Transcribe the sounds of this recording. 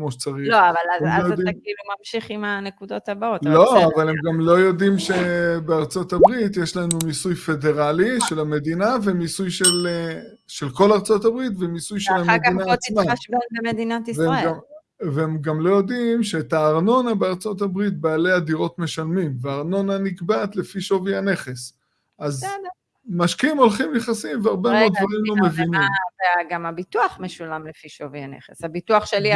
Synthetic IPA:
kmo̞ʃet͡saʁioavalaemlojod̪imlumamʃiχimanekud̪ot̪abaot̪lo̞avalemɡamlo̞jo̞dimʃe̞beaʁt͡so̞tabʁitjeʃlanumisujfe̞de̞ʁaliʃe̞lame̞dinavemisujʃel | ʃe̞lko̞laʁt͡so̞tabʁitvemisujʃelhamed̪inaːt͡smabanbemed̪inat̪iveemɡam | veemɡamlojo̞d̪imʃeːtaːʁno̞nabeaʁt͡so̞t̪abʁit̪̚baːle̞jad̪iʁo̞t̪me̞ʃalmimveaːʁno̞nanikbat̪le̞fiʃo̞viane̞χe̞s | ʔazsd | maʃkiimo̞lχimjeχasimveaʁbemeod̪d̪vaʁimlo̞mevinimveaɡamabituaχmeʃulamlefiʃovianḛχesabituaχʃeli

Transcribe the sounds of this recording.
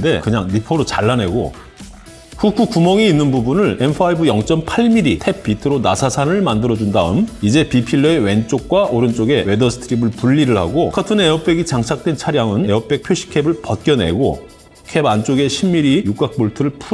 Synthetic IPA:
de̞kɯɲaŋnipʰʌɾot͡ɕaɭːane̞ɡo̰ | kuk͈ʰukumʌŋiːnːɯnbubunɯɭe̞mpʰɯaibɯjʌŋt͡ɕ͈ʌmpʰaɭmiɾitʰe̞p̚p͈itʰɯɾonasʰasʰanɯɭmandɯɾʌd͡ʑundaɯmid͡ʑe̞pipʰiɭːoe̞we̞nt͡ɕ͈ok̚k͈waʔoɾɯnt͡ɕ͈oɡe̞we̞dʌsʰɯ̥tʰɯɾibɯɭpuɭːiɾɯɭha̰ɡokʰatʰɯne̞ʌp̚p͈e̞ɡit͡ɕaŋt͡ɕʰak̚t͈we̞nt͡ɕʰaɾjaŋɯneʌp̚p͈e̞k̚pʰjoɕʰi̥kʰe̞bɯɭpʌt̚k͈jʌne̞̰ɡo̰ | kʰe̞bant͡ɕ͈oɡe̞ɕʰimːiɾijuk͈ak̚p͈oɭtʰɯɾɯɭpʰu

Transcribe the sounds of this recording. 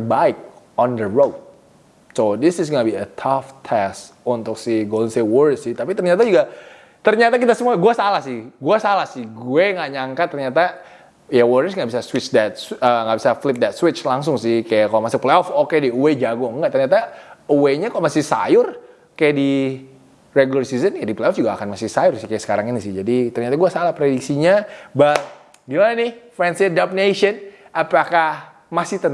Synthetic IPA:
əbaɪk̚ɔndəɹowt̪̚ | sodɪsɪsŋabiət̪ʰaft̪ʰɛs | unt̪ʊksɪɡolnsewərsɪht̪apit̪ərɲat̪ad͡ʒuɡa | t̪ərɲat̪akit̪asəmuaɡuasalahsɪhɡuasalahsɪhɡuɛŋaʔɲaŋkat̪ːərɲat̪a | jawɔrsŋaʔbisaswɪt͡ʃdɛt̪̚səŋɡabisaflɪp̚dɛt̪swɪt͡ʃlaŋs̬ʊŋsɪhkajakalmasɪpleɔfokediued͡ʒaɡɔŋɡaʔt̪ərɲat̪aueɲakamasɪhsa̰jʊr | kajaʔdi | reɡulərsizənkadipleɔfd͡ʒuɡaːkanmasɪhsajʊrsɪhkajaʔsə̥kaɾaŋinɪsɪd͡ʒadit̪ərɲat̪aɡuasalahpɾedik̚siɲaba | ɡimananɪfɾɛnsɪdapnesən | apakah | masɪht̪ən

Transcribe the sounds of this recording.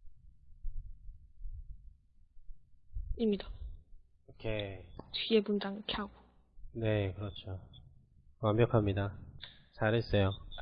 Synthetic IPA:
imɲida | okʰet͡ɕɥiebund͡ʑaŋkʰjaɡo | ne̞kɯɾʌt͡ɕʰo | wambjʌkʰamɲidat͡ɕaɾɦes͈e̞jo

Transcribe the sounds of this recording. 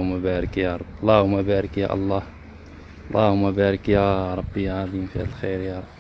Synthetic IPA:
hʊmːæbæɾəkjæɾˤblˤːɑhʊmːæbæɾəkjæ̰ʔlˤːɑh | lːˤɑ̰hʊmːæbæɾəkjæɾˤɑbːijʕɑd̪ˤimfiæ̰llxəɾjæɾˤb

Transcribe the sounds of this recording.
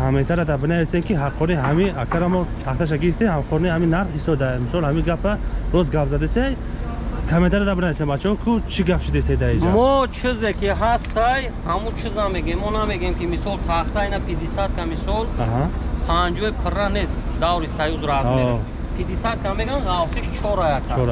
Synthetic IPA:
hamet̪ʰaɾad̪abənavisemkiɦaqʰːɔniɦamiakʰaɾamɔt̪ʰaχt̪ʰaʃ̬aɡiɾift̪emhamqʰɔnihaminːaɾχist̪ɔd̪ajmisɔlhamiɡapʰɾaɾɔsɡapzad̪esej | kʰamet̪ʰaɾad̪abənavisembat͡ʃʰɔkʰut͡ʃʰiɡapʃid̪est̪ejd̪aid͡ʒamɔt͡ʃʰizekʰiɦast̪aj | hamut͡ʃʰiznameɡemɔnameɡemkimisɔlt̪ʰaχt̪ajnapʰid̪isat̪̚kʰamisɔlaɦapʰand͡ʒɔjpʰɨɾanesd̪awɾisajuzɾazɔe | pʰid̪isat̪̚kʰameɡanʁalsiʃt͡ʃʰɔɾajakʰt͡ʃaɔɾa

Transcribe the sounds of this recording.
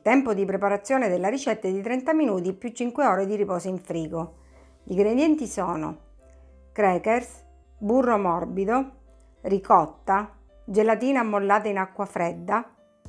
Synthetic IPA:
t̪ɛmpod̪ipɾepaɾat̪sːjoːned̪elːaɾit͡ʃɛt̪ːad̪it̪ɾɛnt̪aminuːt̪ipjut͡ʃːiŋkweɔːɾed̪iɾipɔːsoiɱfɾiːɡo | iɡɾed̪jɛnt̪isɔːno̰ | kɾɛːkɛrs | burːomɔrbid̪o | rikɔt̪ːa | d͡ʒelat̪iːnaːmːolːaːt̪ainakːwafɾɛd̪ːa

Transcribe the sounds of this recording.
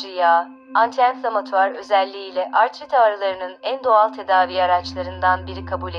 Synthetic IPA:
ija | ant̪ʰɛnt̪lˠamat̪ʰaɾø̞zɛlʲːiːlʲɛʔaɾt̪ʰɾit̪ʰaɾalˠaɾɯnɯnænd̪o̞alˠt̪ʰe̞d̪aːviːaɾat͡ʃlˠaɾɯnd̪anbiɾikʰabuːlʲe

